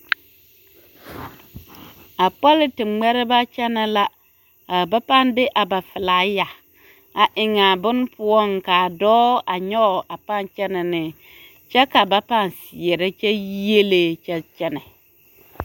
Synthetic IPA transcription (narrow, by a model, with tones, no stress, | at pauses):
a˨pɔ˦lɪ˦tɪ˨ŋ͡mɛ˦ɾɪ˦ba˦t͡ʃɛ˦nɛ˦la˦ | a˨ba˦pa˦˨ndɪ˦ʔa˨ba˨fɪ˨laː˨˦ja˨ | a˨ʔɪ˨ŋa˨bʊ˦n˦pʊ˦ɔ˦ŋ˨ka˨dɔː˦ʔa˨ɲɔ˦˨ʔa˨pa˦˨nt͡ʃɛ˦nɛ˨nɪ˨ | t͡ʃɛ˦ka˨ba˦pa˦˨n˨sɪ˨ɛ˨ɾɪ˦t͡ʃɛ˦ji˦e˦le˦t͡ʃɛ˦t͡ʃɛ˦nɛ˨